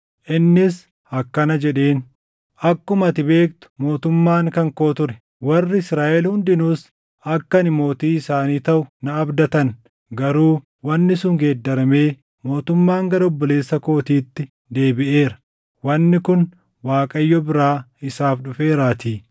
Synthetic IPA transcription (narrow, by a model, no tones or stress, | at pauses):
ʔɪnːɪs | ɐkːɐnɐd͡ʒɛᶑe̞ːn | ʔɐkːʊmɐt̪ɪbe̞ːkt̪ʊ̥mo̞ːt̪ʊmːaːŋkɐŋko̞ːt̪ʊɾɛ | wɐrːɪɪsɾaːʔɛlhʊnd̪ɪnuːs | ɐkːɐnɪmo̞ːt̪iːɪsaːniːt̪ɐʔʊnɐːbd̪ɐt̪ɐn | ɡɐɾuː | wɐnːɪsʊŋɡeːd̪ːɐɾɐme̞ː | mo̞ːt̪ʊmːaːŋɡɐɾɔbːɔle̞ːsːɐko̞ːt̪iːt̪ːɪ | d̪e̞ːbɪʔe̞ːɾɐ̥ | wɐnːɪkʊn | waːkʼɐjːɔbɪɾaːɪsaːfɗʊfe̞ːɾaːt̪iː